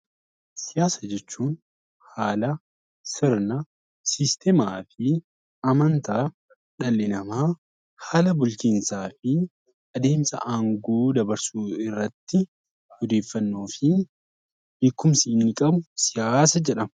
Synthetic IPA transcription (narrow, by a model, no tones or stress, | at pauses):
sɪjaːsɐd͡ʒɛt͡ʃːuːn | haːlɐ | sɪɾnɐ | sɪst̪ʰɛmaːfɪ | ɐmɐnt̪aː | ᶑɐlːɪnɐmaː | haːlɐbʊlt͡ʃiːnsaːfɪ | ɐd̪e̞ːmsɐ̰ʔaːŋɡoːd̪ɐbɐɾsuːɪrːɐt̪ːɪ | hɔd̪e̞ːfːɐnːoːfɪ | hekːʊmsiːnːɪkʼɐbʊsɪjaːsɐd͡ʒɛᶑɐmɐ